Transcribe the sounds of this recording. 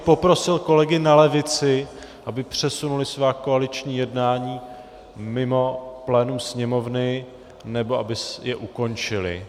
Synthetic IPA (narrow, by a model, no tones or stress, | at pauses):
po̞pɾo̞sɪlko̞lɛɡɪnalɛvɪt͡sɪ | ʔabɪpr̝̥ɛsunulɪsvaːkoalɪt͡ʃɲiːjɛdnaːɲiː | mɪmo̞plɛːnumsɲɛmo̞vnɪ | nɛbo̞abɪjɛʔuko̞nt͡ʃɪlɪ̰